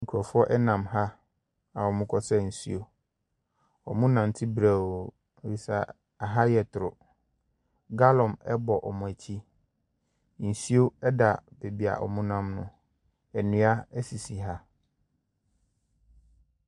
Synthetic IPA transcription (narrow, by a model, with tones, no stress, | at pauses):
ŋ̩˨kʰu˨ɔ˨fʊ˦ɔ˦ʔɛ˦nã˨mɦa˦ | a˨ɔ˨mʊ̃˦kʰɔ˦sɛ˦n̩˨si˦o˦ | ɔ˨mũ˦nã˨n˨tʰɪ˦bɾa˨o˨ | bi˨sa˨ | a˨ɦa˦jɛ˨tʰʊ˨ɾʊ˨ | ɡa˦lɔ̃˨mɛ˦bɔ˨ʔɔ˨mʊ̃˨æ˨t͡ɕʰi˦ | n̩˨si˦o˦ɛ˦da˨b̥e˨bi˨a̰˨ʔɔ̰˨mũ˦nã˦mnʊ̰̃˦ | ɛ˨nũ˦a˦æ˦si˨si˨ɦa˦